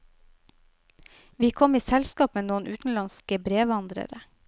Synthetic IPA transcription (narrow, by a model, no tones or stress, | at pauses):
ʋiːkʰɔmiːsɛlskɑːpmeːnoːənʔʉːt̪n̩lɑnskəbɾeːʋɑnd̪ɾə̰ɾə